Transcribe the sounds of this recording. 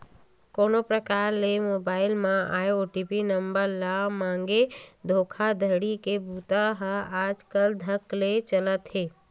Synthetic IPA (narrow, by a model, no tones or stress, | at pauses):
koːnopɾəkaːɾlemoːbaːɪlmãʔaːjoʈipinəmbəɾlamãːŋɡed̪ʱoːkʰad̪ʱəɽikebut̪aɦaːd͡ʒkəld̪ʱəklet͡ʃələt̪ɦeː